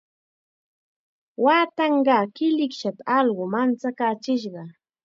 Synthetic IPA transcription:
waːt̪ɑɴɢɑːkɪlɪkʃat̪aɑlɢʊmant͡sakat͡ʃɪʃɢɑ

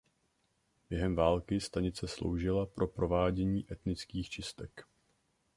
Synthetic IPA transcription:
b̥jɛɦɛmvaːlkɪst̪aɲɪt͡sɛslo̰wʒɪlapɾo̞pɾo̞vaːɟɛɲiːʔɛt̪nɪt͡skiːxt͡ʃɪst̪ɛk

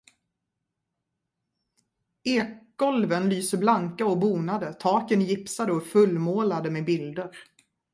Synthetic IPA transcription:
eːkɡɔlvənlyːsəblaŋkaɔbuːnad̪ət̪ʰɑːkənjɪpsad̪əɔfɵlmoːlad̪əmeːbɪld̪əɾ

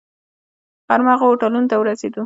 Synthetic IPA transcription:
faɾmɑɣaoʈalunot̪awəɾased̪u

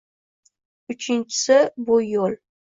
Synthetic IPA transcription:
ʊt͡ʃʰɪnt͡ʃʰɪ̥sɪbujol

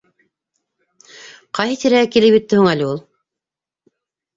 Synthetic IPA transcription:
qɑjɦɤt̪iɾæækilɘpjɘ̆t̪ːɘhuŋælʲɘulˠ

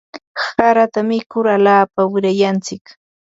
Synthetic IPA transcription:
saɾat̪amɪkʊɾalaːpawɪɾajant͡sɪk

